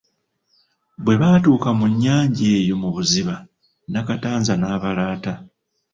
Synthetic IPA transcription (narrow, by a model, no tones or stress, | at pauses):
βwe̞βatuːkamuɲːaːɲɟe̞ːjo̞muβuziβa | nakataːnzanaːβalaːta